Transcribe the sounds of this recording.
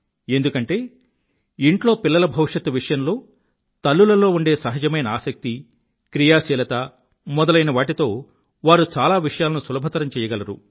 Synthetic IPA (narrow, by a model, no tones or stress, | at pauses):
e̞nd̪ukɐɳʈe̞ː | iɳʈlo̞ːpilːɐlɐbʱɐʋʂɐt̪ːuʋiʂɐjɐmlo̞ː | t̪ɐlːulɐlo̞ːuɳɖeːsɐɦɐd͡ʒɐmɐjnɐaːsɐk̚t̪i | kɾijaːsiːlɐt̪ɐ | mɔd̪ɐlɐjnɐʋaːʈit̪o̞ː | ʋaːɾut͡ʃaːlaːʋiʂɐjaːlɐnusulɐbʱɐt̪ɐɾɐmt͡ʃɛːjɐɡɐlɐɾṵ